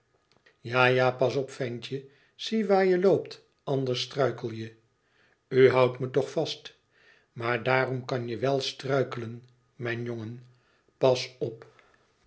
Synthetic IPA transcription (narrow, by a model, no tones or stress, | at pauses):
jaːjaːpɑsɔpfɛnt͡ʃə | z̥iʋaːɹjəlowpt | ɑnd̪əɹstrœɥkəl̩ˠjə | yɦɑwtmətɔχfɑst | maːɹdaːrɔmkɑnjəʋɛlˠstrœɥkələn | mɛjnjoŋən | pɑsɔp